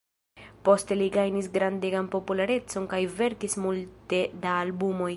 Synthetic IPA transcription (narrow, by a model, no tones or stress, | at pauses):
po̞ste̞liɡajnisɡɾandeɡanpo̞pulaɾe̞t͡so̞nkajve̞ɾkismulte̞daːlbumo̞j